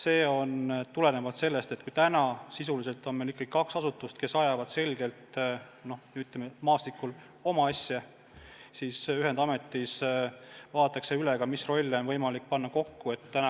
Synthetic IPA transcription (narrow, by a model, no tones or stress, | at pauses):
se̞ːo̞nt̪ule̞nevɑt̪se̞lːe̞st̪e̞t̪̚ːˑkujt̪ænɑsisulise̞lt̪ːˑo̞nmelikːɑɡ̥i̥kɑksɑsut̪ːˑust̪̚ke̞sɑjɑvɑd̪̥se̞lɡ̥e̞lt̪no̞hnyt̪ːˑlememɑːst̪ikːul | o̞mɑɑsʲjɑ | siːsyɦend̪̥ɑme̞t̪ˑːis | vɑːt̪ːˑɑkseyleɡ̥ɑmisro̞lʲːo̞nvɤ̞jmɑlik̚ːpɑnːɑko̞kːue̞t̪ːænɑ